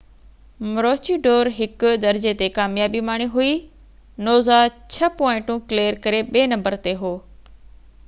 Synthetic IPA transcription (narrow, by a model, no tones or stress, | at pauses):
mɾoːt͡ɕiɖoːɾɦɪkd̪ɐɾd͡ʑet̪ekaːmjaːbimaːɽ̃iɦui | noːzat͡ɕʰɐpɔːɪ̃ɳʈũkleːəɾkɐɾeɓeːnɐ̃mbəɾt̪eɦoː